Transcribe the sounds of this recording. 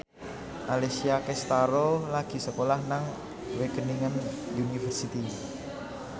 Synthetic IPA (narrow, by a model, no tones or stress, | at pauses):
malesiakɛst̪aɾolaɡ̥i̤səkolahnaŋ | wekəniŋən | unifərsit̪i